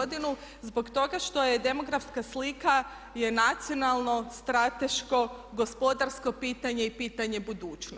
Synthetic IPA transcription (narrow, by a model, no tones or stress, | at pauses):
d̪inu | zbo̞kt̪o̞ɡaʃt̪o̞je̞d̪e̞mo̞ɡɾafskaslika | je̞nat̪sijo̞nalˠno̞st̪ɾat̪e̞ʃko̞ɡospo̞d̪aɾsko̞piːt̪aɲe̞ipiːt̪aɲe̞bud̪uːt͡ʃ